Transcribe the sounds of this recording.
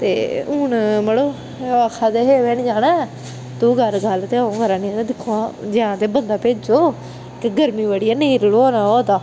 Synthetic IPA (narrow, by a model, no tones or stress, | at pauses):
t̪ḛːʊːnməɽoː | akʰːaːd̪eːɦeːʋɛːnd͡ʒaːnãː | t̪uːɡəɾɡəlt̪eːõːɡəɾãːnĩt̪ed̪ɪkʰːoãːd͡ʒɪãːt̪eːbənd̪aːpeːd͡ʒoː | kɡəɾmiːʋəːɽijaːnẽiːɾloːoːnaːoːd̪aː